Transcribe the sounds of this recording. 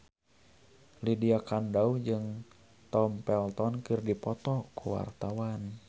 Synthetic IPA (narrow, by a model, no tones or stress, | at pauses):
lidiakandaud͡ʒɨŋ | t̪ɔmpɛlt̪ɔnkɨrdipɔt̪ɔkuwa̰rt̪awan